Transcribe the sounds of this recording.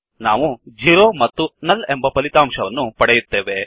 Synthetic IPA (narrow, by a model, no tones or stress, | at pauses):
naːʋud͡ʒiːɾoːmɐt̪ːunɐlembɐpɐlit̪aːmʃɐʋɐnːupɐɽejut̪ːeːʋe